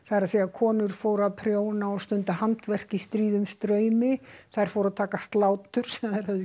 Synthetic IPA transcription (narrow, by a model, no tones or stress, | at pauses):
θaðɾaðsiːjakʰɔːnʏɾ̥foːwɾaðpʰɾjoːwnaɔst̪ʏnt̪ahant̪vɛr̥cɪst̪ɾiːðʏmst̪ɾœːɥmɪθajɾ̥fowɾaðt̪ʰaːkast̪laːwt̪ʏɾ̥sɛmɛɾaðɪ